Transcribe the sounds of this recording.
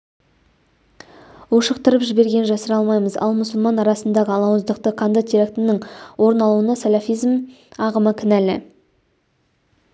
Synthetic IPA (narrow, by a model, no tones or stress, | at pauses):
wuʃəqt̪əɾəpʒɪbe̞ɾɡʲe̞nʒɑsəɾɑlˠmɑjməzɑ̰lˠmʊsəlˠmɑnɑɾɑsənd̪ɑʁəɑlˠɑwəzd̪əqt̪əqʰand̪ət̪ʰʲiɾakt̪ɪnɪŋwo̞ɾənɑlˠuənɑsalʲafijzm | ɑʁəməkʲʰɪnælɪ̰